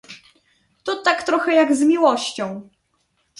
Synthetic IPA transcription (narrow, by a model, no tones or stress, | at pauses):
t̪ɔt̪akt̪ɾɔxɛjaɡzmʲiwɔɕt͡ɕɔ̃w̃